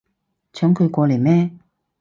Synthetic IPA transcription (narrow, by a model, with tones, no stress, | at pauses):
t͡sʰœː˨˥ŋkʰɵ˨˧kʷɔː˧le˨˩mɛː˥